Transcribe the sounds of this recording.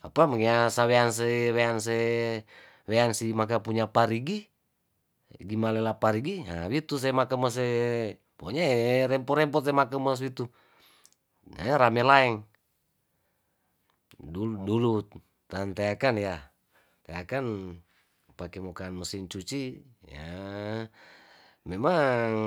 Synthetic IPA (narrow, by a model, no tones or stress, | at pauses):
apaməŋasaweans̬eweans̬e | weansimak̬apuɲapaɾiɡi | ɡimalɛlapaɾiɡia̰wit̪us̬ɛmakəməs̬e | poɲaɛɾɛmpɔɾɛmpɔsemakəməs̬wit̪u | a̰ɾamɛlaɛŋ | dudulu | t̪ant̪aakanja | t̪ajakan | pakɛmokanməsint͡ʃut͡ʃi | ja̰ | mɛmaŋ